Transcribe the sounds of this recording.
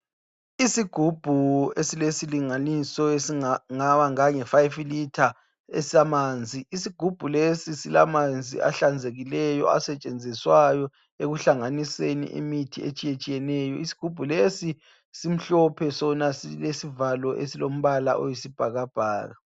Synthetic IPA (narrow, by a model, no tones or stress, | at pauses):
isiɡ̥ʱub̥ʱuesilesiliŋanisɔesiŋaβaŋaŋɛfajflitʰa | esilamaːnd͡zʱiisiɡ̥ʱub̥ʱulesisila̰mand͡zʱḭʔa̰ɬand͡zʱeɣilɛjɔ̰a̰sɛt͡ʃʼend͡zʱiswajɔ | eɣuɬaŋanisenḭʔḛmitʰiḛt͡ʃʼijet͡ʃʼijɛnɛjɔisi̥ɡ̥ʱub̥ʱulesi | sim̩ɬɔpʰɛsɔnasilesivalɔʔesilom̩βala̰ʔojisib̥ʱaɣab̥ʱa̰ːɣa